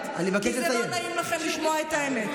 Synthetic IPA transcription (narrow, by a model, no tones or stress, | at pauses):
a̰nivakeʃeajomnajimlaχemliʃmoaet̪aemet̪